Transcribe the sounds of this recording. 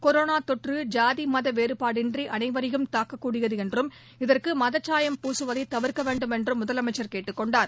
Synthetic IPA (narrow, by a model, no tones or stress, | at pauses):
kɔɾoːnaːt̪ɔʈrɯd͡ʒaːðimɐðɐʋeːɾɯpaːɽɪndriʔɐnɐɪʋɐɾɪjɯmt̪aːkːɐkːuːɽɪjɐðɯɛndrɯm | ɪðɐrkɯmɐðɐt͡ʃːaːjɐmpuːsɯʋɐðɐɪt̪ːɐʋɪɾkɐʋeːɳɖɯmɛndrɯmːʊðɐlɐmɐɪt͡ʃːɐɾkeːʈːɯkːɔɳɖaːɾ